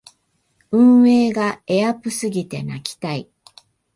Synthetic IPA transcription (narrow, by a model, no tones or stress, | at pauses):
ɯ̟̃ɰ̃e̞ːɡae̞apɯ̟sɨɡʲit̪e̞nakʲi̥t̪ai